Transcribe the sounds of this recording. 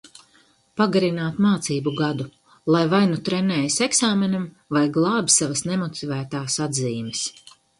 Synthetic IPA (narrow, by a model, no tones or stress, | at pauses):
paɡaɾinaːt̪maːt̪siːbuɡad̪u | lˠajvajnut̪ɾɛnɛːjiseksaːmenam | vajɡlˠɑːbʲisavɐsnemɔt̪ivæːt̪aːsad̪ziːmɛs